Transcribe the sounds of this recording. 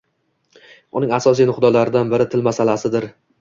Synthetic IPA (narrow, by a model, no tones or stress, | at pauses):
ʊ̰nɪŋasɒs̬ijnʊχd̪ɒlaɾɪd̪anbɪɾɪt̪ʰɪlmasalasɪd̪ɪɾ